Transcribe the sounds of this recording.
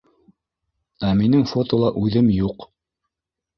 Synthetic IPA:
æminɘŋfot̪olˠɑʔʉðɘmjuq

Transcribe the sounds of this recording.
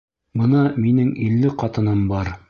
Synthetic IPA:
bɤnɑminɘŋilːɘqɑt̪ɤ̆nɤmbɑɾ

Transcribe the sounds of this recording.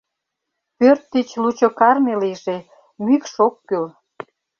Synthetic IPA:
pørt̪ːit͡ɕlut͡ɕokɑrmeliʒe | mykʃokːyl

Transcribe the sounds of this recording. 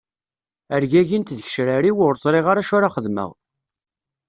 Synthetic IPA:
əɾʝæʝint̪ðəç̥ʃɾaɾiwʊɾt͡sˤɾˤiʁaɾaʃʊɾaχəðmə̰ʁ

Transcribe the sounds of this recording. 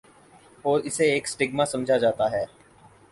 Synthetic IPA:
ɔːɾɪseeːksʈɪɡmasɐ̃md͡ʒʱad͡ʒaːt̪aɦɛː

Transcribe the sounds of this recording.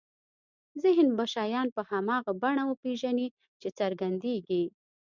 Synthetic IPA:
zɪɦnbaʃɑjɑnpəhamɑɣabaɳawəpeʒani | t͡ʃet͡saɾɡand̪eɡi

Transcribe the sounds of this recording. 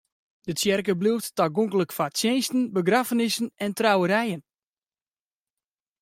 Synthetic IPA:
d̥ətjɛrkəbluwttaɡoŋkələkfasjeːnstn̩bəɡrafənɪsənɛntrawəɾɛjən

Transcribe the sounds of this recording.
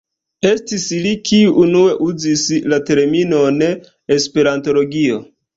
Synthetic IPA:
e̞stislikiuʔunue̞ʔuzislate̞ɾmino̞n | espe̞ɾanto̞lo̞ɡio̞

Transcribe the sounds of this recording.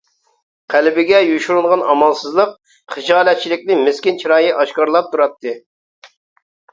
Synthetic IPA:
qʰælbɪɡʲɛjuʃuɾulˠʁɑnɑmɑlˠsɨzlˠəq̚ | χɨd͡ʒɑːlɛt̪̚t͡ʃʰilɪkʲnɪmɪskʲint͡ʃʰiɾɑːjiʔɑʃkɑɾlˠɑp̚t̪ʰuɾɑt̪ʰːɨ

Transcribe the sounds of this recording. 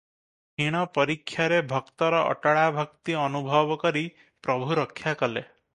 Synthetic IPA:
ɦiɽ̃ɔpɔɾikʰːjaɾebʱɔkt̪ɔɾɔʔɔ̰ʈaɭabʱɔkt̪iɔnubʱɔbɔkɔɾi | pɾɔbʱuɾɔkʰːjakɔle

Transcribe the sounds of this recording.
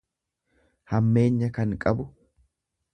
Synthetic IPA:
hɐmːe̞ːɲːɐkɐŋkʼɐbʊ

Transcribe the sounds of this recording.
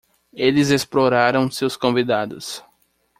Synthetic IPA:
elɪzesploɾaɾɐ̃w̃sewskõvid̪ad̪ʊs

